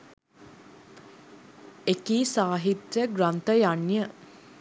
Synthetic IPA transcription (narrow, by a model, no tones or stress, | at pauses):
ekiːsaːɦit̪jəɡɾant̪əjanːjə